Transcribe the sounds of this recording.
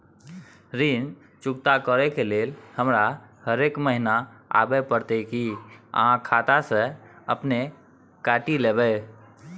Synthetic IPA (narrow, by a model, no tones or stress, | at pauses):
ɾin | t͡ʃʊkt̪akəɾɛkeleːlhəmɾahəɾeːkməɦinaa̰bɛpəɾt̪ekiə̰ɦãkʰat̪aseəpne | kaːʈileːbɛ